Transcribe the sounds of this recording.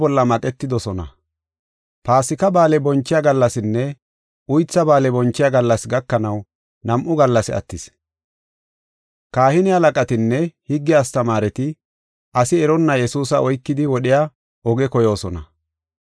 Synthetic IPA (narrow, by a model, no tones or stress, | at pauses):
bɔlːɐmɐkʼɛt̪ːɪd̪ɔsɔnɐ̰ | paːsɪkɐbaːlɛbɔnt͡ʃːɪjaɡɐlːɐsɪnːɛ | ʔʊjt͡sːɐbaːlɛbɔnt͡ʃːɪjaɡɐlːɐsɡɐkːɐnɐw | nɐmʔʊɡɐlːɐsɪɐ̰t̪ːɪs | kaːhɪnɪhɐlɐkʼɐt̪ɪnːɛhɪɡːɪjaːst̪ɐmaːɾɛt̪ɪ | ʔɐsɪɛɾɔnːɐjɛsuːsɐɔjkːɪd̪ɪwɔɗɪja | ʔɔɡɛkɔjo̞ːsɔnɐ̰